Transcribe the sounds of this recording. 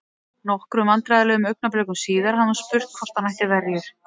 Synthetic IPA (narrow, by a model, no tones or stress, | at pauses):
nɔhkɾʏmant̪ɾajðalɛːɣʏmœɥk̚naplɛːkʏmsiːðaɾ̥hanuspʏr̥t̪̚kʰɔst̪anajhc̪ɪvɛɾjɪɾ̥